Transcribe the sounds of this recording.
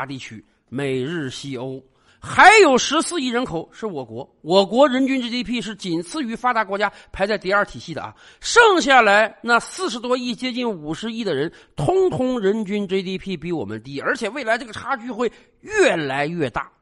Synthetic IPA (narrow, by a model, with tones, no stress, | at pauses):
t̪i˥˩t͡ɕʰy˥ | me˨˩ɪɻɻ̩˥˩ɕi˥o˥ʊ | xa˧˥ɪjo˨˩ʊʂɻ̩˧˥sɹ̩˥˧i˥˩ɻə˧˥nkʰo˨˩ʊʂɻ̩˥˩wɔ˨˩kwɔ˧˥ | wɔ˨˩kwɔ˧˥ɻə˧˥nt͡ɕy˥nʈ͡ʂe˥t̪ʰi˥pʰi˥˧ʂɻ̩˥˩t͡ɕi˨˩nt͡sʰɹ̩˥˩y˧˥fa˥t̪a˧˥kwɔ˧˥t͡ɕja˥pʰa˧˥ɪt͡sa˥˧ɪt̪i˥˧ɐ˞˥˩t̪ʰi˨˩ɕi˥˩d̪ə̰˩ɐ̰˩ | ʂɤ˥˧ŋɕ̬ja˥˩la˧˥ɪna˥˧sɹ̩˥˩ʂ̬ɻ̩˧˥t̪wɔ˥i˥˩t͡ɕjɛ˥t͡ɕi˥˩nu˨˩ʂɻ̩˧˥i˥˩d̪ə˩ɻə˧˥n | t̪ʰʊ˥ŋt̪ʰʊ˥ŋɻə˧˥nt͡ɕy˥nʈ͡ʂe˥ɪt̪i˥pʰi˥˩pi˧˥wɔ˨˩mə̰˦nt̪i˧˥˩ə˞˧˥t͡ɕʰjɛ˨˩we˥˩ɪla˧˥ɪʈ͡ʂɤ˥˩ə˩ʈ͡ʂʰa˥t͡ɕy˥˧xwe˥˧ɪ | ɥɛ˥˩la˧˥ɪɥɛ˥˧t̪a̰˥˩